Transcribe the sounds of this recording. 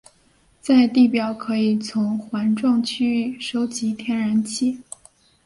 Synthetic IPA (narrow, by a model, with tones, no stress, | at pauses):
t͡sa˥˧ɪt̪i˥˩pjɑ˨˩ʊkʰɤ˧˥i˨˩t͡sʰʊ˧˥ŋxwa˧˥nʈ͡ʂʊ˥˧ŋt͡ɕʰy˥˩ʂo˧˥ʊt͡ɕi˧˥t̪ʰjɛ˥nɻa˧˥nt͡ɕʰi˥˩